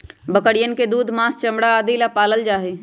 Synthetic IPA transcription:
bəkəɽijənked̪uːd̪ʱmãːst͡ʃəmɽaːd̪ilapaːləld͡ʒaːɦeː

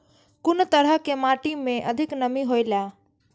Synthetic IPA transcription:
kʊnt̪əɾəɦkemaʈimẽʔəd̪ʱiknəmiɦojla

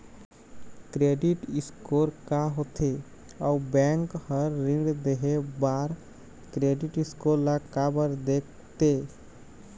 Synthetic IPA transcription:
kɾeːɖɪʈɪskoːɾkaɦot̪ʰe | ɔːbɛ̃ːŋkhəɾːɪ̃ɖd̪eɦebaːɾ | kɾeːɖɪʈɪskoːlakaːbəɾd̪eːk̚ʰ | t̪eː

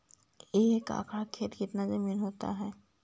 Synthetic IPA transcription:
eːka̰ːkʰɾakʰeːt̪kɪt̪nazɐmiːnɦoːt̪a̰ɦɛː

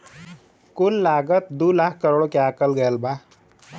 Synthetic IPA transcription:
kullaːɡət̪̚d̪uːlakʰkəɾoːɽokeakəlɡəjəlba

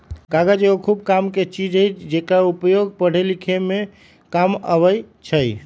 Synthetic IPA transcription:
kaɡəd͡ʒeokʰubkamket͡ʃid͡ʒəjt͡ʃʰd͡ʒekaupjoɡ̚pəɽ̤elikʰeme | kamə̰βəjt͡ʃʰəj

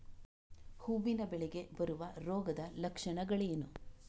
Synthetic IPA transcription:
huːbinɐbɛɭeɡe̞bɐɾuʋɐɾɔːɡɐd̪ɐlɐkʂɐɳɐɡɐɭejenu

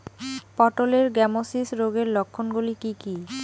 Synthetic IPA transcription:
pɔʈoleɾɡɛmosisɾoɡeɾlokʰːonɡulikiki

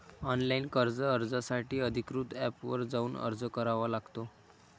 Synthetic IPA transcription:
ɔnlainkəɾd͡zəəɾd͡zasaʈiːəd̪ʱikɾuːt̪æpʋəɾd͡zauːnə̰ɾd͡zəkəɾaʋalaɡt̪o

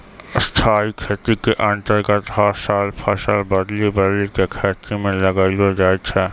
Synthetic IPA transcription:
st̪ʰaːikʰeːt̪ɾikeʔə̃nʈ̪əɾɡət̪ɦasaːlpʰɐʃəlbɐd̪libəd̪likekʰeːt̪ɾimẽlɐɡaːilod͡ʒaːet͡ʃʰɛ

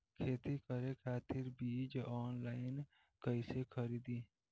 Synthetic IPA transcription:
kʰeːt̪ikəɾekʰaːt̪ɪɾbiːd͡ʒɔːnlaːɪn | kəɪsekʰəɾiːd̪iː

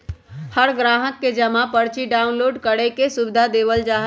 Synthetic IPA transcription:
həɾɡɾaɦət̪̚ked͡ʒəmapəɾt͡ʃiɖaunloɖkəɽekesubɪd̪ʱad̪eʋəld͡ʒaɦ

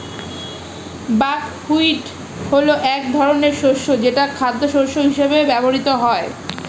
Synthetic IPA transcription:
bakhuiʈ | holoʔɛk̚d̪ʱɔɾoneɾʃoʃod͡ʑeʈakʰad̪ʱːoʃoʃoɦiʃebebɛboɾit̪oɦɔe

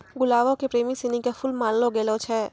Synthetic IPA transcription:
ɡʊlaːʋõkepɾeːmisɪnikafʊlmaːnloɡeːlot͡ʃʰɛː

